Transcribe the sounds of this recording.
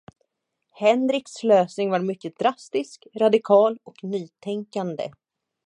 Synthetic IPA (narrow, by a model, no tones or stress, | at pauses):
hɛnɾɪksløːsnɪŋvaɾmʏkːəd̪̥ɾast̪ɪskɾad̪ɪkʰɑːlɔknyːt̪ʰɛŋkand̪ə̰